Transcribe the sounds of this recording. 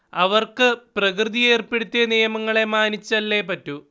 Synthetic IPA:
ɐʋɐrkɨprɐkrɨðije̞ːrpeɽut̪ːijɐnijɐmɐŋːɐɭe̞maːnit͡ɕːɐlːe̞ːpɐtːu

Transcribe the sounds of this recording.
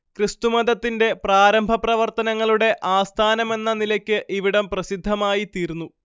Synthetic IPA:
krɨst̪umɐd̪ɐt̪ːinde̞praːɾɐmbʱɐprɐʋɐrt̪ɐnɐŋːɐɭuɽe̞ʔʔaːst̪ʰaːnɐme̞nːɐnilɐkʲːɨʔiʋiɽɐmprɐsid̪ʱːɐmaːjit̪iːɾnːu

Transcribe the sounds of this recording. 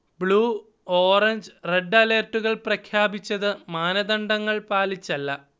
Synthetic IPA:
bɭuː | oːrɐɲd͡ʑreɖːɐleːrtːuɣɐɭprɐkʰjaːbit͡ɕːɐðɨmaːnɐd̪ɐɳɖɐŋːɐɭpaːlit͡ɕːɐlːɐ

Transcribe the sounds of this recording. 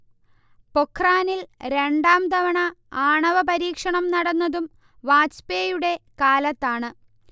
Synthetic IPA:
po̞kʰːraːnilɾe̞ɳɖaːmd̪ɐʋɐɳɐaːɳɐʋɐpɐɾiːkʂɐɳɐmnɐɽɐnːɐðum | ʋaːspeːjuɽe̞kaːlɐt̪ːaːɳɨ

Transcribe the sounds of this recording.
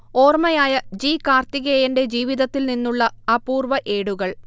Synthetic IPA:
o̞ːrmɐjaːjɐd͡ʑiːkaːrt̪iɣeːjɐnɖe̞d͡ʑiːʋiðɐt̪ːilninːuɭːɐɐpuːrʋɐʔe̞ːɽuɣɐɭ

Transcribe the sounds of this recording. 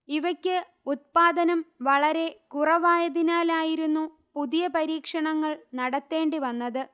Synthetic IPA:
iʋɐkʲːɨ | ut̪̚paːðɐnɐmʋɐɭɐɾe̞kurɐʋaːjɐðinaːlaːjiɾunːu | puðijɐpɐɾiːkʂɐɳɐŋːɐɭnɐɽɐt̪ːe̞ːɳɖiʋɐnːɐðɨ

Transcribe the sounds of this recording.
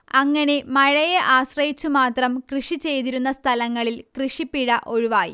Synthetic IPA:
ɐŋːɐne̞mɐɻɐjeʔaːɕrɐjit͡ɕːumaːt̪rɐmkrɨʂit͡ɕe̞jt̪iɾunːɐst̪ʰɐlɐŋːɐɭilkrɨʂipːiɽɐʔo̞ɻuʋaːjḭ

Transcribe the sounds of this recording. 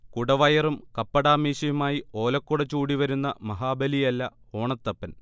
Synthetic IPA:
kuɽɐʋɐjɐrumkɐpːɐɽaːmiːɕɐjumaːjio̞ːlɐkːuɽɐt͡ɕːuːɽiʋɐɾunːɐmɐɦaːbɐlijɐlːɐ | o̞ːɳɐt̪ːɐpːɐn

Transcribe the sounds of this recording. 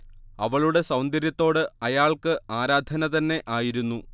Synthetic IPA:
ɐʋɐɭuɽe̞sɐwnd̪ɐɾjɐt̪ːo̞ːɽɨɐjaːɭkɨaːɾaːd̪ʱɐnɐt̪ɐnːe̞ʔaːjiɾunːu

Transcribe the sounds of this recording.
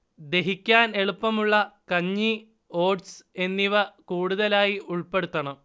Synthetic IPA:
d̪e̞ɦikʲːaːne̞ɭupːɐmuɭːɐkɐɲːi | o̞ːɖse̞nːiʋɐkuːɽuðɐlaːjiʔuɭpe̞ɽut̪ːɐɳɐm

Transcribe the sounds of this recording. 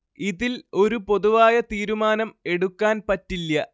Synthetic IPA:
iðilo̞ɾupo̞ðuʋaːjɐt̪iːɾumaːnɐme̞ɽukːaːnpɐtːilːɐ

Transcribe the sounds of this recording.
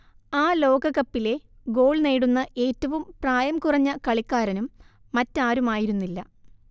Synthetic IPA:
aːlo̞ːɡɐɣɐpːile̞ | ɡo̞ːɭneːɽunːɐʔe̞ːtːɐʋumpraːjɐmkurɐɲːɐkɐɭikːaːɾɐnumː | ɐtːaːɾumaːjiɾunːilːɐ

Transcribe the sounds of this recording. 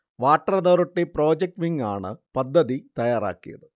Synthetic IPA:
ʋaːʈːɐrɐnɐɾuʈːepro̞ːd͡ʑek̚ʈʋiŋɡaːɳɨpɐd̪ʱːɐðit̪ɐjaːɾa̰ːkːijɐ̰ðɨ

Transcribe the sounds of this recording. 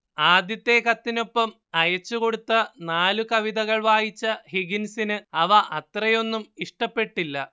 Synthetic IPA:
aːd̪jɐt̪ːe̞kɐt̪ːino̞pːɐm | ɐjɐt͡ɕːuko̞ɽut̪ːɐnaːlukɐʋiðɐɣɐɭʋaːjit͡ɕːɐhiɡinsinɨɐʋɐʔɐt̪rɐjo̞nːumiʂʈɐpːe̞ʈːilːɐ

